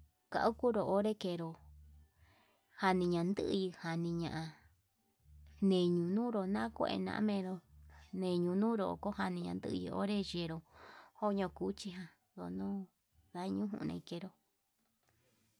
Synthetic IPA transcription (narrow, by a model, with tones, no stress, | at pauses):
ka̰˧ʔu˦ku˦ɾo˨ʔo˦ɾe˦ke˧˨ɾo˧ | ha˧nĩ˧ɲã˨˧nd̪ɨ˦ʔjɨ˧ha˨nĩ˧ɲã˨ʔã˧ | nẽ˨ɲũ˨nũː˦ɾo˨nã˦kʷe˦ḛ˧˨nã̰˧ʔmẽ˧ɾo˧nẽ˨ɲũ˧nũː˦ɾo̰˧˨ko˦ha˧nĩ˧ɲã̰˧nd̪ɨ˦ʔɨ˧jḭ˧˨o̰˦ɾe˦ʒe˧˨ɾo˨ho˦ɲõ˧ku˨˦t͡ʃi˧ɦã˧ | ðo̰˧˨nõ˦ | ða˧˦˧ɲũ˦ɦṵ̃˧ʔnḛ̃˧i˧ke˧ɾo˧